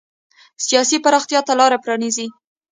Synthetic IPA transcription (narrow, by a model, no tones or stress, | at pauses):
sijɑsipaɾɑxt̪jɑt̪alɑɾapɾɑnizi